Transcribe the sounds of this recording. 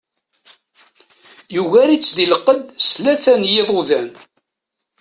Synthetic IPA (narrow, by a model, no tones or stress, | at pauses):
juɣæɾit͡sːd̪iləqːəd̪slæθænjeðˤoðæn